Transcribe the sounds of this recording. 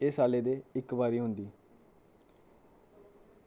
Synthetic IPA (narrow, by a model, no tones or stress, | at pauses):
eːsaːleːd̪eːɪkbaːɾiːɦʊnd̪iː